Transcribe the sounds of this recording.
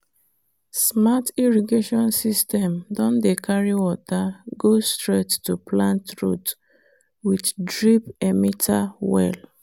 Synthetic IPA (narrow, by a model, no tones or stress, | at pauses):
smatiɹɔɡeʃɔ̃nsistɛ̃mdɔ̃ndekʰaɹiwɔtaɡostɹettuplãntɹṵt | widdɹipɛmitʰawɛ̰l